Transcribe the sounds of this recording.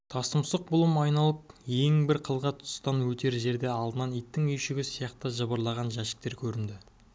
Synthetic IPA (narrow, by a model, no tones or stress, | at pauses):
t̪ʰɑst̪əmsəq̚bʊlˠəmɑjnɑlˠəpje̞ŋbɪɾqʰəlˠʁɑt̪ʰʊ̥st̪ɑnwɵt̪ʰe̞ɾʒe̞ɾd̪e̞ɑlˠd̪ənɑnijt̪ːɪŋijʃɪɡʲɪsijɑqt̪əʒəbəɾlˠɑʁɑnʒæʃɪ̥k̚t̪e̞ɾkʲʰɵɾɪnd̪ɪ